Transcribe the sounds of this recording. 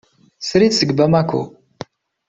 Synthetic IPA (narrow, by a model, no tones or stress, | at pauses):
sɾisəɡbəmækʷʰːṵ